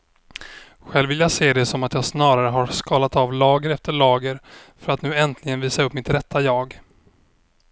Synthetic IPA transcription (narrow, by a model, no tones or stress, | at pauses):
ɧɛlvɪljaseːd̪ɛsɔmat̪jɑːsnɑːɾaɾəɦaɾskɑːlat̪avlɑːɡəɾɛft̪əɭɑːɡəɾfœɾat̪nʉ̟ːɛnt̪ʰlɪɡənviːsaɵpːmɪt̪ɾɛt̪ʰːajɑːɡ